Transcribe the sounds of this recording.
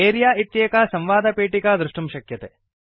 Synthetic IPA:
eːɾijaːit̪jeːkasɐmʋaːd̪ɐpeːʈikad̪ɾuʂʈumʃɐkjɐt̪e

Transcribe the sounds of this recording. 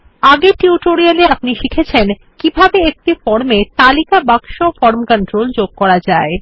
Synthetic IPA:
aɡeʈiuʈoɾialeapniʃikʰet͡ɕʰen | kibʱabeek̚ʈifɔɾmet̪alikabaɡʃofɔɾmkəɳʈɾold͡ʑoɡ̚kɔɾad͡ʑae

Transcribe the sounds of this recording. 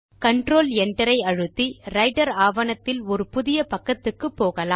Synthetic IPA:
kɐɳɖroːlɛɳɖɐɾɐɪɐɻɯt̪ːiɾɐɪɖɐɾaːʋɐnɐt̪ːɪlɔɾɯpʊðɪjɐpɐkːɐt̪ːɯkːɯpːoːɣɐlaː

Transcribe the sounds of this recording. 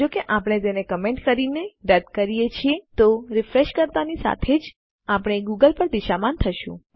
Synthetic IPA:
d͡ʒokeʔapɽ̃et̪enekəmeɳʈkəɾineɖəd̪kəɾijet͡ʃʰiet̪oɾɪfɾeʃkəɾt̪anisa̰t̪ʰed͡ʒ | apəɽ̃eɡuɡəlpəɾd̪iʃamant̪ʰəʃṵ̃

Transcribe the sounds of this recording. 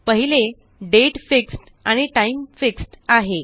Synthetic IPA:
pəɦile | ɖeʈfiksʈ | aɽ̃iʈaimfiksʈaɦe

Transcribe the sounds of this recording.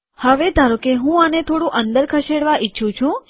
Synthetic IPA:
həʋed̪ʱaɾokeɦũanet̪ʰoɽũʔənd̪əɾkʰəʃeɽʋaʔitːʃʰũt͡ʃʰũ

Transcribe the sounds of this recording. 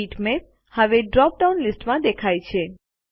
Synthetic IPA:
iʈmep̚ | həʋeɖɾɔp̚ɖaunlisʈmãd̪ekʰajt͡ʃʰe

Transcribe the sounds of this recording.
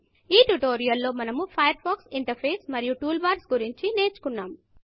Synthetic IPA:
iːʈuʈoːɾijɐlːo̞ːmɐnɐmupʰɐjɐɾpʰaːksiɳʈɐɾpʰeːsmɐɾijuʈuːlbaːɾsɡuɾiɲt͡ʃine̞ːt͡ʃu̥kunːaːm

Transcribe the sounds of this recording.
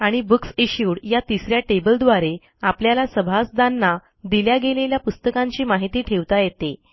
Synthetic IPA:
aɽ̃ibuksiɕjuɽjat̪isɾjaʈebəld̪ʋaɾe | apljalasəbʱasd̪anːa | d̪iljaɡeleljapust̪əkãɲt͡ɕiːmaɦit̪iːʈʰeʋt̪ajet̪e

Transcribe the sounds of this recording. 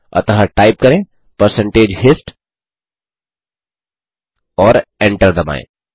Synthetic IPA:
ɐ̰t̪ɐɦəʈaːɪp̚kɐɾẽ | pəɾsə̃ɳʈeːd͡ʒɦɪsʈ | ɔːɾẽɳʈəɾd̪ɐma̰ːḛ̃

